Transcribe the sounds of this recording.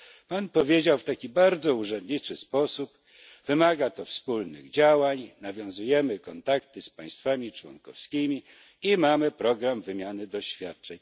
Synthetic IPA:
panpɔvʲjed͡ʑawft̪akʲibaɾd̪zɔuʐɛnd̪ɲit͡ʂɘspɔsup | vɘmaɡat̪ɔfspulnɘ̰ɣd͡ʑawaɲnavʲjɔ̃w̃zujɛmɘkɔnt̪akt̪ɘspaj̃st̪famʲit͡ʂwɔ̰nkɔ̰fskʲimʲi | imamɘpɾɔɡɾamvɘmʲjanɘd̪ɔɕfʲjat̪̚t͡ʂɛɲ

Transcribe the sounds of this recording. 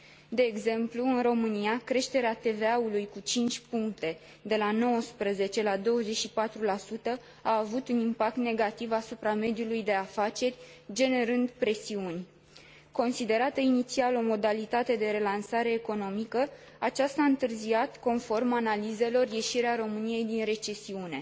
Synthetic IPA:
d̪e̞ːɡze̞mpluɨnro̞mɨniakɾe̞ʃt̪e̞ɾeat̪e̞veaulujkut͡ʃint͡ʃʲpuŋk̚t̪e̞ | d̪e̞lano̞wəspɾəze̞t͡ʃe̞lad̪o̞wəze̞t͡ʃʃipat̪ɾulasut̪ə | aːvut̪unimpak̚t̪ne̞ɡat̪ivasupɾame̞d̪ijulujd̪e̞afat͡ʃe̞rʲ | d͡ʒe̞ne̞ɾɨnd̪pɾe̞siunʲ | ko̞nsid̪e̞ɾat̪əinit̪sialo̞mo̞d̪alit̪at̪e̞d̪e̞ɾe̞lansaɾe̞ːko̞no̞mikə | at͡ʃast̪aɨnt̪ɨrziat̪ko̞nfo̞rmanalize̞lo̞rje̞ʃiɾeaɾo̞mɨnije̞jd̪inɾe̞t͡ʃe̞siune̞

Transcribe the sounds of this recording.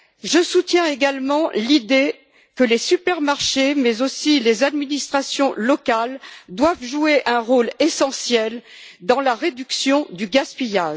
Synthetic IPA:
ʒəsut̪jɛ̃eɡalmɑ̃lid̪e | kəlesypɛʁmaʁʃemɛzosilezad̪minist̪χasjɔ̃lɔkald̪wavʒueʔɛ̃ʁolesɑ̃sjɛld̪ɑ̃laʁed̪yksjɔ̃d̪yɡaspijaːʒ

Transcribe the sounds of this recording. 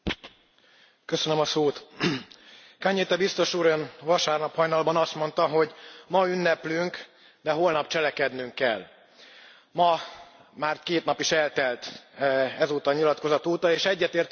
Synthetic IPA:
kø̞sønømɒsoːt̪ | kaɲːeːt̪ɛbist̪o̞ʃuɾønvɒʃaːrnɒphɒjnɒlbɒnɒst̪mo̞nt̪ɒɦo̞ɟmɒynːɛplyŋk | d̪ɛɦoːlnɒpt͡ʃɛlɛkɛd̪nyŋkːɛ̰l | mɒmaːrkeːt̪nɒpiʃɛlt̪ɛlt̪ | ɛzoːt̪ɒɲilɒt̪ko̞zɒt̪uːt̪ɒeːʃɛɟːɛt̪eːrt̪

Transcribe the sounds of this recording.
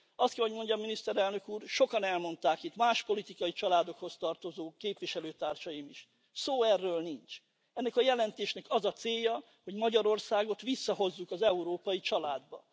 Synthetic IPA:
ɒst̪kɛɦo̞ɟmo̞ɲɟɒminist̪ɛɾɛlnø̞kuːrʃo̞kɒnɛlmo̞nt̪aːkit̪maːʃpo̞lit̪ikɒjit͡ʃɒlaːd̪o̞kho̞st̪ɒrt̪o̞zoːkeːpʋiʃɛløːt̪aːrʃɒjimiʃ | soːɛrːøːlnint͡ʃ | ɛnːɛkɒjɛlɛnt̪eːʃnɛkɒzɒt̪seːjːɒ | ho̞ɟmɒɟɒɾo̞rsaːɡo̞t̪ʋisːɒɦo̞zːukɒzɛuɾoːpɒjit͡ʃɒlaːd̪bɒ̰

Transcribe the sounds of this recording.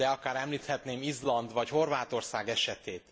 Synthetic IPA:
ɛɒkaːɾɛmliːt̪hɛt̪neːmizlɒnd̪ʋɒcho̞rvaːt̪o̞rsaːɡɛʃɛt̪eːt̪

